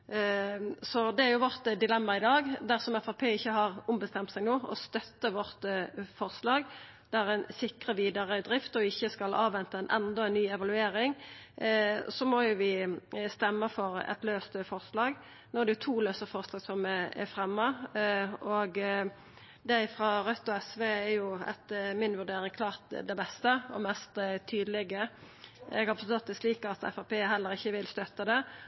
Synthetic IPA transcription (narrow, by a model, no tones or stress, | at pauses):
sɔd̪ɛæɾjʊʋɔʁt̪d̪ɪlɛmːɑʁɪd̪ɑːɡd̪æʁsɔmɛfɑpʰeːɪçːəɦɑʁʊmbəst̪ɛmt̪sɛɡnoːɔ̰st̪œt̪ːəʋɔʁt̪fɔʁslɑːɡ | d̪̥æʁɛɪnsɪkʁəʋiːd̪ɑʁəd̪ɾɪft̪ɔɪçːəskɑlʔɑːʋɛnt̪əmɛnʔɛ̰nd̪ɔɛɪnnyːɛʋɑlʉeːɾɪŋ | sɔmɔjʊʋɪst̪ɛmːəfɔɾɛ̰t̪løːst̪əfɔʁslɑːɡ | nʊd̪ɛjʊt̪ʰuːløːsəfɔʁslɑːɡsɔmɛɛ̰fɾɛmːɑ | ɔɡ | d̪æɪfɾɑːɾœt̪ːɔɛsʋeɛɾjʊɛ̰t̪mɪnʋʉʁɖ̪eːɾɪŋkʰlɑːʁt̪d̪ɛbɛst̪əɔ̰mɛst̪t̪ʰyːd̪əlɛɡə | ɛ̰ɡɑpsɑt̪d̪ɛsliːkɑt̪ɛ̰fɑpeːɦɛlːəʁɪçːəʋɪlst̪œt̪ːəd̪ɛ